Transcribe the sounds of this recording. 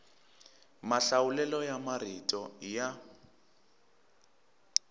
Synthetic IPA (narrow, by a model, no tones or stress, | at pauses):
maɬaulɛlɔjamaritʼɔja